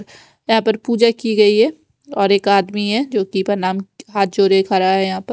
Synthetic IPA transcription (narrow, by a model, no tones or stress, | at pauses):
ɾ | jɐɦãːpɐɾpuːd͡ʒakiɡɐiɦɛ | ɔːɾeːkaːd̪miɦɛd͡ʒoːkipɐnaːmɦaːt̪̚d͡ʒoːɾekʰaːɾaɦɛjɐɦãːpɐɾ